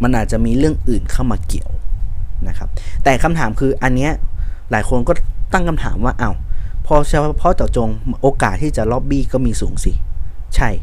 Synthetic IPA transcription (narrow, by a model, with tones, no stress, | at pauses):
ma˧nʔaː˨˩t͡ɕa˨˩miː˧ɾɯ˥˩əŋʔɯː˨˩nkʰaː˥˩wmaː˧ki˨˩˦ə˦wna˦˥kʰa˦˥p̚t̪ɛː˨˩kʰa˧mt̪ʰaː˩˦mkʰɯː˧ʔa˧nːi˦˥ɐlaː˩˦jkʰo˧nkɔː˥˩t̪a˥˩ŋkʰmt̪ʰa̰ː˩˦mwaː˥˩ʔa˧˩wpʰɔ˧˥˩t͡ɕpʰɔ˧˥˩t͡ɕa˨˩wt͡ɕo˧ŋʔoː˧kaː˨˩t̪ʰːiː˥˩t͡ɕa˨˩lɔː˦˥p̚biː˥˩kɔː˥˩miː˧suː˩˦ŋsi˧˩ | t͡ɕʰa˥˩j